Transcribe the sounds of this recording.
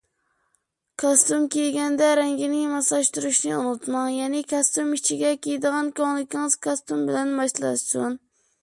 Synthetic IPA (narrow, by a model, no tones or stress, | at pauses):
kʰɑst̪umkʲejɡʲɛnd̪ɛɾɛŋɡʲɪnɪŋmɑslˠɑʃt̪uɾuʃnɪunut̪mɑŋjɛnɪkʰɑst̪umit͡ʃʰiɡʲɛkʲʰejd̪əʁɑnkoŋlˠɪkʲiŋɨz̥kʰɑst̪umbɪlɛnbɑʃlˠɑ̰sun